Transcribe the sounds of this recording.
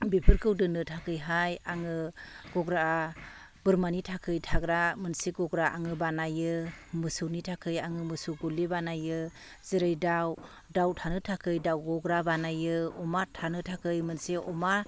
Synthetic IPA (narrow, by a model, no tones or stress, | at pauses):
bepʰɯɾkʰɯwdɯnɯtʰakʰɯjɦajaŋɯɡ̥ɔɡɾaː | b̥ɯɾmanitʰakʰɯjtʰaɡɾamɯnseɡɔɡɾaʔa̰ŋɯbanajɯmɯsɯwnitʰakʰɯjaŋɯmɯsuwɡulebanajɯ | zeɾɯjdaw | dawtʰanɯtʰakʰɯjdawɡɔɡɾabanajɯɔmatʰanɯtʰakʰɯjmɯnseʔɔma